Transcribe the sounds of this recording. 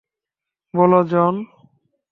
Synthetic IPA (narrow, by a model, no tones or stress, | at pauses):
bɔlod͡ʑɔn